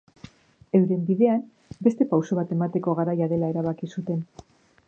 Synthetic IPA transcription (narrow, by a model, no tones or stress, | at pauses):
e̞wɾe̞mbiðe̞am | be̞st̪e̞pawso̞β̞at̪e̞mat̪e̞ko̞ɣ̞aɾajaðe̞lae̞ɾaβ̞akisut̪e̞n